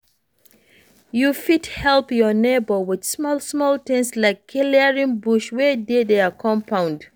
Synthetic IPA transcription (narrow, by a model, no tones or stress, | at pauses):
jufidhɛlpjɔnebəwɪd̥smɔlˠsmɔltɛ̃nslaɪkʰːiliəɹĩŋbuʃwɛdeðeakʰɔ̃mpʰãʊ̃nd